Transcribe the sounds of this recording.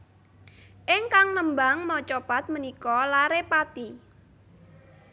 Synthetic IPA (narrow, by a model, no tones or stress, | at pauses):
ʔɪŋkaŋnəmbaŋmɔt͡ʃopat̪̚mənikɔlaɾepat̪i